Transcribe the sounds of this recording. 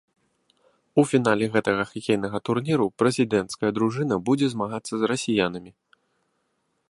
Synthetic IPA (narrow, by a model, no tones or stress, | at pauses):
ufʲin̪alʲɛɣɛt̪ɐɣɐxʲikʲejnɐɣɐt̪urnʲiɾupɾɛzʲid̪ɛnt̪skɐjɐd̪ɾuʐɨn̪ɐbud͡zʲɛzmaɣat̪sːɐzrɐsʲijanɨmʲi